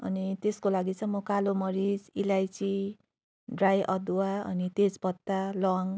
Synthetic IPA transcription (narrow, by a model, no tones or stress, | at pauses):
ʌ̰nit̪eskolaɡit͡sʌ̃mokalomʌɾid͡zilajt͡si | ɖrajʔʌd̪waʌ̰nit̪ed͡zpʌt̪ːalʌŋ